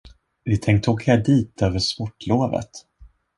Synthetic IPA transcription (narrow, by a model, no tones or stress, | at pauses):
vɪt̪ʰɛŋk̚t̪ʰoːkʰæɖiːt̪øːvəʂpɔʈːloːvə̰t̪